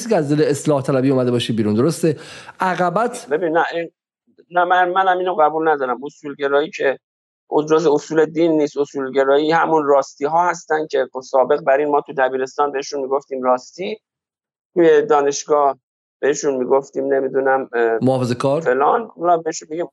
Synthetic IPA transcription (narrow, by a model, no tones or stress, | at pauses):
sicʰeæzd̪eleeslɒːht̪ʰælæbiːumæd̪ebɒːʃid̚biːɾund̪oɾost̪eʔæɣæbæt̪ʰbe̞biːnːæʔi | næmænmænæmiːnoɣæbulnæd̪ɒːɾæmosuːlɟe̞ɾɒːiːcʰe | ʔozɾɒːzeosuːle̞d̪inːiːst̪osuːlɟe̞ɾɒːiːhæmunrɒːst̪iːɦɒːhæst̪ænd̪̚cʰe̞sɒːbe̞ɣbæɾiːnmɒːt̪ʰud̪æbiːɾe̞st̪ɒːnbeheʃunmiːɡoft̪iːmɾɒːst̪iː | t̪ʰuːje̞d̪ɒːne̞ʃɡɒːh | b̥e̞heʃunmiːɡoft̪iːmne̞mid̪unæmmoːfezekʰɒːɾfe̞lɒnulbeeʃunbiɟim